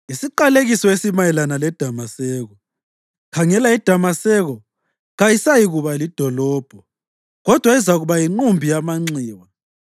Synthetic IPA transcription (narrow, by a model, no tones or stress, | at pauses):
isiǃaleɣisɔesimajɛlanalɛd̥ʱamasɛɣɔ | kʰaŋɛlaid̥ʱamasɛɣɔ | ɣajisajiɣuβalid̥ʱɔlɔːb̥ʱɔ | ɣɔd̥ʱwaizaɣuβajiŋ͡ǃumbʱijamaŋ͡ǀiːwa